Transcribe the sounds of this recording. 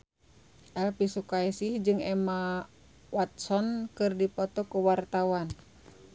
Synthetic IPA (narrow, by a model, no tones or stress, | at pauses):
ʔɛlpisukaisihd͡ʒɨŋɛma | wat̪̚sɔnkɨrdipɔt̪ɔkuwart̪awan